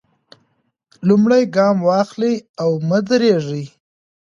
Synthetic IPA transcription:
lumɽajɡɑmwɑxliawməd̪ɾeʐi

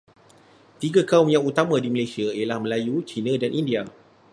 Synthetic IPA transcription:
t̪iɡakaʊmjaŋut̪amãdiməlajsiaijalahmə̃lajut͡ʃinãdanʔindia

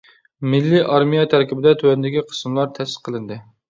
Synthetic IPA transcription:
mɪlːiʔɑɾmijɑt̪ʰæɾkʲibɪd̪ɛt̪ʰwɛnd̪ɪkʲiqʰə̥smlˠɑɾt̪ʰɛsɪ̥qʰːəlˠɨnd̪ɨ

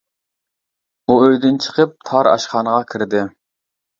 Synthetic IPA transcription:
uøjd̪ynt͡ʃʰə̥qʰəp̚t̪ʰɑɾɑ̰ʃχɑnəʁɑkʲʰiɾd̪ɪ

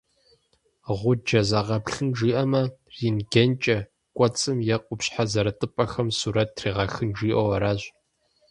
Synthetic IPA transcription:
ʁʷʊd͡ʒɐzɐʁɐpɬɨnʒiːʔɐmɐriːnɡɐnt͡ʃʼɐ | kʷʼɔt͡sʼɨmjɛqʷʊpɕħazɐɾɐtʼɨpʼɐxɐmsuːɾɐtʰriːʁɐxɨnʒiːʔɔwɐɾaːʑ

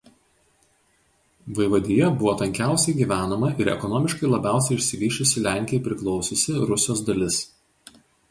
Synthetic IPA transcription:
ʋɐɪʋɐd̪ʲɪjɛbʊʋoːt̪ɐŋʲkʲæˑʊsʲɛɪɡʲiːʋʲæːnomɐʔɪɾɛ̰kɔnoːmʲɪʃkɐɪlˠɐbʲæˑʊsʲɛɪɪʃʲsʲɪʋʲiːʃʲʊsʲɪlʲæˑŋʲkʲɪjɛɪpʲɾʲɪklˠɒʊsʲɪsʲɪɾʊsʲoːs̬d̪ɐlʲɪs

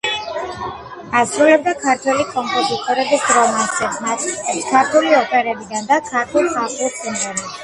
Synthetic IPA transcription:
asɾulɛb̚d̪akʰaɾt̪ʰwɛlikʼɔmpʼɔzit̪ʼɔɾɛbisd̪ɾɔvnist̪ʼɛdmat̪ʰʼist̪ʼɛpskʰaɾt̪ʰuliɔpʼɛɾɛbid̪and̪akʰaɾt̪ʰɛlˠsʰaχusʼind̪ɛni

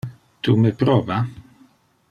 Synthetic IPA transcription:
t̪ʰuməpɾɔːva

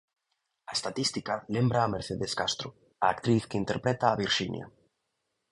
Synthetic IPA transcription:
aest̪at̪ist̪ikalembɾaːmeɾθeðeskast̪ɾo | aːkt̪ɾiθkeint̪eɾpɾet̪aːβiɾʃinja̰

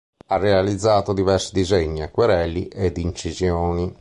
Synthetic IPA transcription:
arːealid̪zːaːt̪od̪ivɛɾsid̪izeɲːiakːwɛɾɛlːiʔɛd̪int͡ʃizjoːni

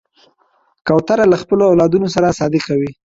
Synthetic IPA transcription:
kawt̪aɾalaxpəloawlɑd̪unosaɾasɑd̪ekawi

